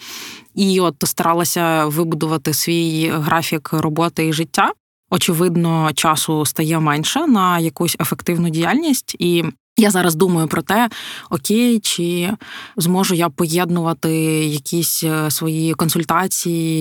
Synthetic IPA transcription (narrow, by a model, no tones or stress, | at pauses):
iɔt̪st̪ɐɾʔɑlˠɐsʲɐʋɪbʊd̪ʊʋɐt̪ɪsʋʲijɦɾʔɑfʲikrʔɔbɔt̪ɪiʐɪtʲːa | ɔt͡ʃɪʋɪd̪nɔt͡ʃɑsʊst̪ɐjɛmɛnʲʃɛnɐjɐkusʲefɛkt̪ɪwnʊdʲijalʲnʲisʲtʲi | jazɑɾɐzd̪umɐjʊpɾɔt̪ɛɔkʲejt͡ʃɪ | zmɔʒʊjapɔjɛd̪nʊʋɐt̪ɪjɐkʲisʲsʋɔjikɔnsʊlʲt̪ɑt͡sʲiji